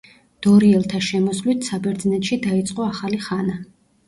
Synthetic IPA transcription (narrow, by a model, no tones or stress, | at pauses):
d̪̥ɔɾiɛlˠt̪ʰaʃɛmɔslit̪ʰsabɛɾd̪znɛt̪ʃid̪ait̪sʼqʼɔaχaliχana